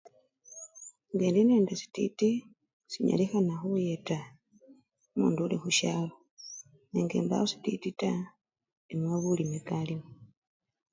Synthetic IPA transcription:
ŋɡeːndineːndesi̥tḭti | siɲa̰lixanaxujeta | mṵːnduulixuʃaːlo | neŋɡe̞̰ːmba̰osi̥titita | emwaβulimekalimu

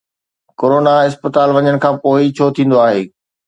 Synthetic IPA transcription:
koːɾoːnaɪspət̪aːlʋɐɲəɽ̃kʰãːpoːit͡ɕʰoːt̪ʰĩːn̆d̪oaːɦḛː

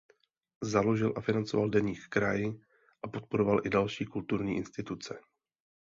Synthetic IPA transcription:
zalo̞ʒɪlʔafɪnant͡so̞valdɛɲiːkkɾajɪ | ʔapo̞t̪̚po̞ɾo̞valʔɪdalʃiːkult̪uɾɲiːʔɪnst̪ɪt̪ut͡sɛ

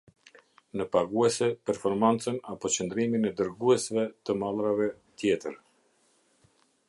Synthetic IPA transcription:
nəpaɡuɛsɛpɛɾfɔɾmant͡sənapɔt͡ɕənd̪ɾiminɛd̪əɾɡuɛsvɛt̪əmalˠɾavɛ | t̪jɛt̪əɾ

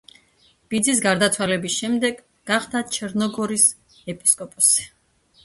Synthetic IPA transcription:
b̥id̪zis̬ɡaɾd̪at̪sʰwalɛbisʃɛmd̪ɛɡ | ɡaχd̪at͡ʃʰɛɾnɔɡɔɾis | ɛpʼiskʼɔpʼɔsɛ̥

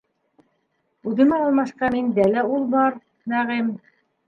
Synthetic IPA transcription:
ʉðɘ̆mɑɑlˠmɑʃqɑmind̪ælæulˠbɑɾ | næʁɘm

